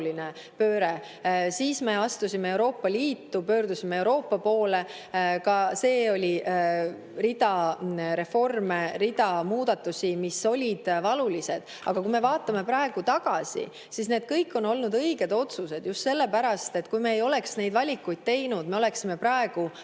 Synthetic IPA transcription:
linepøːɾe̞ | siːsme̞ɑst̪usʲimee̞wɾo̞ːpːɑliːt̪ːupø̞ːɾd̪usʲimee̞wɾo̞ːpːɑpo̞ːle̞ | kɑse̞ːo̞lʲi | rid̪̥ɑɾe̞fo̞rmeɾid̪ɑmuːd̪̥ɑt̪ːˑusimiso̞lʲid̪̥vɑlulise̞d̪̥ | ʔɑɡ̥ɑkume̞vɑːt̪ːˑɑme̞pɾɑe̞ɡ̥ut̪ɑɡ̥ɑsḭ | sisne̞ːd̪̥kɤjkːˑo̞no̞lnud̪ɤjɡ̥e̞d̪o̞t̪suse̞d̪̥just̪se̞lːe̞pæɾɑst̪e̞t̪ːkujmeːjo̞le̞ksne̞jd̪vɑlʲikːˑujd̪̥̚t̪e̞jnud̪me̞o̞le̞ksime̞pɾɑe̞ɡ̥u

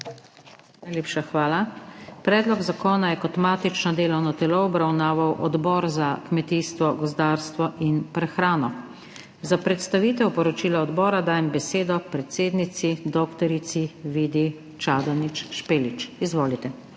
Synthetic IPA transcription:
najleːpʃaxʋaːlapɾɛːd̪lɔɡzakɔːnajɛkɔt̪maːt̪it͡ʃnɔd̪eːlɔwnɔt̪ɛloɔbɾawnaːʋawʔɔd̪bɔːɾzakmɛt̪iːst̪ʋɔɡɔzd̪aːɾst̪ʋɔʔinpɾɛxɾaːnɔ | zapɾɛt̪st̪aʋiːt̪ɛwpɔɾɔt͡ʃiːlaɔd̪bɔːɾad̪aːjɛmbɛseːd̪ɔpɾɛt̪seːd̪nit̪sid̪ɔkt̪ɔɾit̪siʋiːd̪i | t͡ʃaːd̪ɔnit͡ʃʃpeːlit͡ʃizʋoːlit̪ɛ

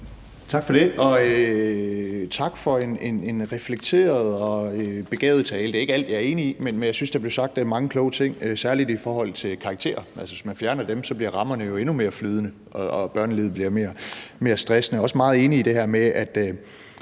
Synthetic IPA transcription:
t͡sʰɑ̈ɡ̥fɒ̽ɾ̥e̝ʔɒ̽ø | t͡sʰɑ̈ɡ̥fɒ̽e̝ne̝ne̝nʁɛfleɡ̥̚t͡sʰe̝̰ːɐð̞̩ˠɒ̽øb̥e̝ɡ̥ɛ̰ːʊð̩ˠt͡sʰɛːld̥e̝æeɡ̥əæl̰d̥jɑ̈æɐe̝ːniimenmenjɑɪsynsd̥ɑble̝ʊsɑ̈ɡ̥̚d̥ææɐmɑ̈ŋəkʰlɔːʊət͡sʰe̝ŋ̰øsæɐlid̥ifɒ̰ːɦɒ̽l̰t͡sʰe̝lkʰɑ̈ɡ̥̚t͡sʰe̝̰ːɐʔælsəʋe̝smænfjæɐnɐd̥emsɒ̽b̥liɐ̰ʁɑ̈mɐnəjo̝e̝nume̝ːɐflyːð̞ˠnə | ʔɒ̽ɒb̥ɶɐ̰nəlið̞̰ˠbliɐme̝ːɐme̝ːɐsd̥ʁɛsnəɒ̽səmɑ̈ːð̩ˠe̝ːniːd̥e̝ɦæɐmeæd̥ø

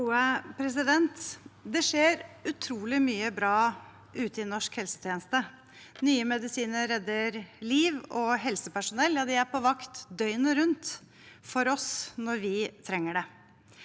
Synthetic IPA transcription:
uːəpʰɾɛs̬ɪd̪ɛnt̪d̪ɛʂeːɾʉt̪ʰɾuːlɪmyːəbɾɑː | ʔʉːt̪ɪnɔʂkhɛlsə̥t̪ʰjeːnəst̪ə | nyːəmɛd̪ɪsiːnəɾɛd̪ːəɾliːʋɔɦɛlsəpæʂʊnɛlːjɑːd̪ɪæɾpɔʋɑkt̪d̪œʏnəɾʉnt̪ | fɔɾɔsnɔɾʋɪt̪ʰɾɛŋːəɖɛ

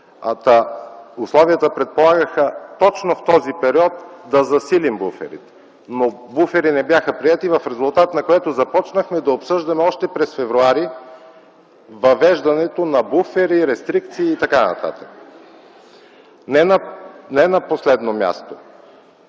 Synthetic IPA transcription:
ɐt̪ɐʊslˠɔviət̪əpɾɛt̪̚polˠaɡəxət̪ɔt͡ʃnoft̪ɔzipɛɾiɔt̪d̪ɐzɐsilimbufɛ̰ɾḭt̪ɛ̥ | nobufɛɾinɛbjaxəpɾiɛt̪ivɐfɾɛzʊlˠt̪at̪nɐkoɛt̪ozɐpɔt͡ʃnəxmɛd̪ɐopsɤʒd̪ɐmɛɔʃt̪ɛpɾɛsfɛvɾuaɾi | vɐvɛʒd̪ɐnɛt̪onɐbufɛɾiɾɛst̪ɾik̚t̪siːt̪ɐkanɐ̰t̪a̰t̪ək | nɛnɐnɛnɐposlɛd̪nomʲja̰st̪o

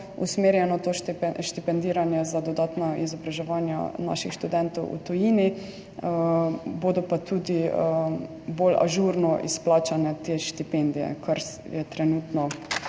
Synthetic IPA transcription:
ṵsmeːɾjɛnɔt̪oʃʃt̪ipɛnd̪iːɾanjɛzad̪ɔd̪aːt̪nɔḭzɔbɾaʒɛʋanja̰na̰ʃixʃt̪ud̪ɛnt̪ɔwʔṵt̪ɔjini | boːd̪ɔpat̪uːd̪i | bola̰ʒuɾnɔʔḭsplaːt͡ʃanɛt̪eʃt̪ipɛnd̪ijɛ̰kʰaɾ | jɛt̪ɾɛnuːt̪nɔ

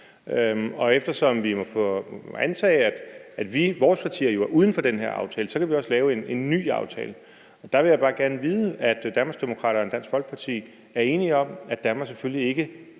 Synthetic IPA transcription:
ømɒ̽efd̥ɐsɒ̽mʋimɒ̽fɔ̰ænt͡sʰɛ̰ːɪæd̥æd̥ʋiʋɒːspʰɑ̈t͡sʰḭːɐjo̝æɐuːð̞ˠn̩fɒ̽d̥enɦeɐɑ̈ʊt͡sʰɛːləsɒ̽kʰæʋiɒ̽səlɛːʊe̝ne̝nːy̰ːɑ̈ʊt͡sʰɛ̰ːlə | ɒ̽d̥ɑ̈ʋe̝jäɪbɑ̈ːɡ̥æɐnəʋiːðˠəæd̥d̥æɐnmɑɐsɡ̥d̥e̝mo̝kʰʁɑ̰ɾɐːend̥æn̰sɡ̥fɒ̽l̰ɡ̥̚pʰɑ̈t͡sʰḭː | æɐe̝ːniɒ̽m̰æd̥æɐmɑ̥seføllie̝ɡ̥ə

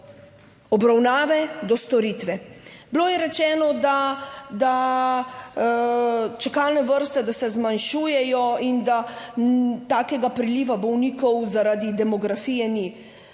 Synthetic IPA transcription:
ɔbɾawnaːʋɛd̪ɔst̪ɔɾiːt̪ʋɛbloːjɛɾɛt͡ʃɛːnɔd̪ad̪a | t͡ʃɛkalnɛʋəɾst̪ɛd̪asɛzmanʃuːjɛjɔind̪a | t̪aːkɛɡapɾiliːʋabɔwniːkɔwzaɾad̪id̪ɛmɔɡɾafijɛni

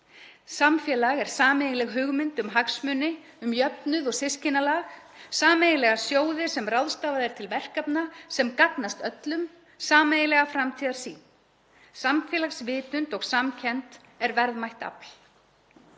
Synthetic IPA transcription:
samfjɛːlaɣɛɾ̥saːmeːjɪlɛɣɦʏɣmɪnt̪ʏmɦaksmʏːnɪ | ʏmjœpnʏðɔɣsɪscɪnalaːxsaːmejɪlɛɣasjoːwðɪsɛmrawðst̪aːvaðɛɾ̥t̪ʰɪlvɛr̥kapnasɛmkak̪nast̪œt̪lʏm | saːmejɪlɛɣafɾamt̪ʰiːðaɾ̥sḭːn | samfjɛːlaxsvɪːt̪ʏnt̪ɔɣsamcʰɛnt̪ | ɛɾvɛɾðmajht̪a̰pl̥

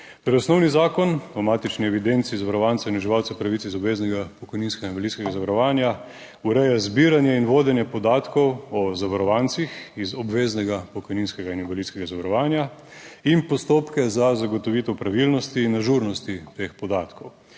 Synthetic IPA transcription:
t̪oɾɔsnɔwnizaːkɔnɔmaːt̪it͡ʃniɛʋid̪ent̪sizaʋaɾɔʋant̪sainuʒiʋaːwt̪sɛpɾaʋit̪sizɔbʋeːznɛɡapɔkɔjninskɛɡainʋɛliskɛɡazaʋaɾɔʋaːnja | uɾɛjazbiːɾanjɛinʋoːd̪ɛnjɛpɔd̪aːt̪kɔwɔzaʋaɾɔʋant̪sixizɔbʋeːznɛɡapɔkɔjninskɛɡainibɛliːskɛɡazaʋaɾɔʋaːnjainpɔst̪oːpkɛzazaɡɔt̪ɔʋit̪ɛwpɾaʋilnɔst̪inːaʒuɾnɔst̪it̪expɔd̪aːt̪kɔw

